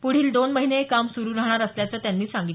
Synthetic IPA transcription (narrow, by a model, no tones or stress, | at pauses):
puɽ̤iːld̪onməɦineekamsuɾuːɾaɦɳ̃aɾəsljat͡səːt̪janːiːsaŋɡi